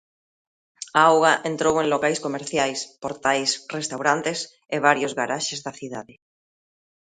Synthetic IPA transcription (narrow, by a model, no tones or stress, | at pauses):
aawɣaʔent̪ɾoweŋlokajskomeɾθjajspoɾt̪ajsrest̪awɾant̪es | eβaɾjʊzɣaɾaʃezðaθiðaðɪ